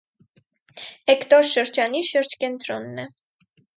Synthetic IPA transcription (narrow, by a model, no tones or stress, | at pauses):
ɛkt̪ɔɾʃəɾd͡ʒɑniʃəɾd͡ʒkɛnt̪ɾɔnːɛ